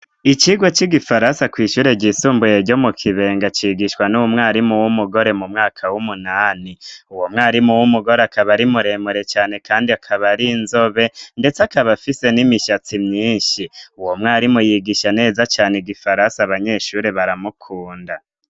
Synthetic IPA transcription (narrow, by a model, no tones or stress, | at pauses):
it͡ʃiɡwot͡ʃiɡifaɾansakwiːʃuːɾe̞ɟisuːmbujeɾɟo̞mukʰiβe̞ːŋɡat͡ʃiɡiʃwanuumŋaːɾimuwumuɡo̞ɾe̞mumŋaːkʰawumunaːniuwomŋaːɾimuwumuɡo̞ɾeakʰaβaɾimuɾe̞muɾe̞t͡ʃaːne̞kʰaːndiakʰaβaɾinzo̞βe̞nde̞t͡sakaβafise̞nimiʃat͡simɲiːɲʃiuwo̞mŋaːɾimujiɡiʃane̞ːzat͡ʃaːneɡifaɾansaːβaɲe̞ʃuːɾe̞βaɾamukʰuːnda